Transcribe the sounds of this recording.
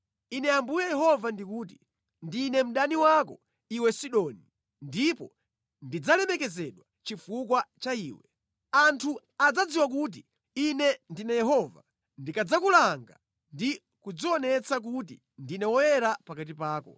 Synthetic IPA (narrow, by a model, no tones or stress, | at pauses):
inɛambujajɛɦɔvandikuːt̬i | ndinɛm̩ɗaniwakɔ | iwɛsiɗɔni | ndipɔ | ndid͡zalɛmɛkɛzɛɗwat͡ʃifuk̬wat͡ʃaiːwɛ | antʰu | ad͡zad͡ziwak̬ut̬i | inɛndinɛjɛɦɔva̰ | ndikad͡zakulaŋɡa̰ | ndi | kud͡ziɔnɛt͡sak̬ut̬ḭ | ndinɛwɔjɛɾapakat̬ipaːkɔ